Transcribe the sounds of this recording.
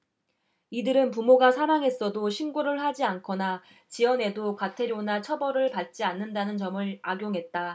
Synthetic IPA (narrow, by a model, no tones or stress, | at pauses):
idɯɾɯnp̬umoɡasʰaɾaŋɦe̞s͈ʌdoɕʰinɡoɾɯɭhad͡ʑiankʰʌna | t͡ɕiʌne̞dokatʰe̞ɾjonat͡ɕʰʌbʌɾɯɭpat̚t͡ɕ͈ianːɯndanɯnt͡ɕʌmɯɭaɡjoŋɦe̞t̚t͈a